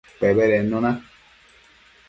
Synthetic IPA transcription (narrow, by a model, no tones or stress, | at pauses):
pɛbɛɾɛnõnã